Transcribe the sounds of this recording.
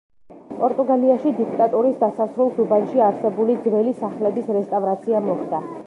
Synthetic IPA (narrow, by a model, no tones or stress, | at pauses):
pʼɔɾt̪ʼuɡaliaʃid̪ikʰt̪ʼat̪ʼuɾisd̪asasɾulˠsubanʃiaɾsɛbulid̪zvɛlisaχlɛbisɾɛst̪ʼavɾat̪sʰiamɔχd̪a